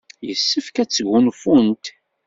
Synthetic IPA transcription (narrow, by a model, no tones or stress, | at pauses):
jə̰sːəfkæt͡sːəɡːʊnfunt̪